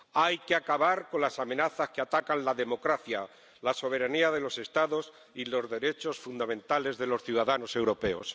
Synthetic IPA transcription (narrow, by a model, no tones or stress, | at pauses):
ajkeakaβaɾko̞nlasamẽ̞naθaskeat̪akanlaðe̞mo̞kɾaθja | laso̞β̞e̞ɾaniaðe̞lo̞se̞st̪aðo̞s | ilo̞zðe̞ɾe̞t͡ʃo̞sfund̪amẽnt̪ale̞zðe̞lo̞sθjuðaðano̞se̞wɾo̞pe̞o̞̰s